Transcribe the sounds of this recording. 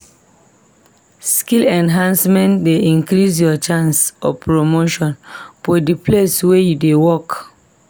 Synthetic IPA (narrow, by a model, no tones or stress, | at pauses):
skilɛ̃nɦãnsmɛ̃ntdeĩnkɾis̬jɔt͡ʃãnsɔ̰pʰɹomoʃɔ̃nfɔdipʰleswejudewɔk